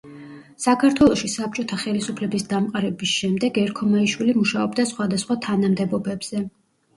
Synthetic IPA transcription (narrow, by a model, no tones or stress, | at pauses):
sakʰaɾt̪ʰwɛlˠɔʃisap̚t͡ʃʼɔt̪ʰaχɛlisupʰlɛbisd̪amqʼaɾɛbisʃɛmd̪ɛɡɛɾkʰɔmaiʃwilimuʃaɔbd̪asχwad̪asχwat̪ʰanamd̪ɛbɔbɛbz̥ɛ